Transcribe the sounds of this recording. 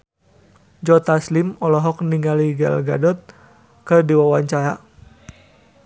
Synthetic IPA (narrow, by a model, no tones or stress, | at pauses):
d͡ʒɔt̪aslimɔlɔɦɔk̚niŋaliɡa̰lɡadɔt̪̚ | kədiwawaɲt͡ʃaɾa